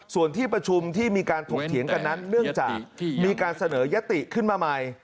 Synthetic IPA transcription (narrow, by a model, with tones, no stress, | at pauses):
su˨˩ənt̪ʰiː˥˩pɾa˧t͡ɕʰu˧mt̪ʰiː˥˩miː˧kaː˧nt̪ʰo˨˩ŋ̚t̪ʰi˩˦əŋka˧nːa˦˥nːɯ˥˩əŋt͡ɕa̰ː˨˩k̚miː˧kaː˧nsa˧nɤː˩˦ja˦˥t̪i˨˩kʰɯ˥˩nmaː˧ma˧j